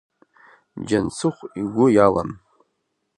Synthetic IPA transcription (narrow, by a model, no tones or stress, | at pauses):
d͡ʒant͡sʰɨχʷiɡʷʊjala̰n